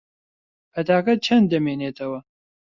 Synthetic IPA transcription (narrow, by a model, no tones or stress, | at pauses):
bɐd̪aːkɐt̪̚t͡ʃʰɐnd̪ɐmeːneːt̪ʰɐwɐ